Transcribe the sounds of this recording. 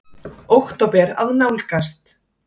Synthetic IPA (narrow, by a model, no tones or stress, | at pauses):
owxt̪ɔpɛɾa̰vnawlkast̪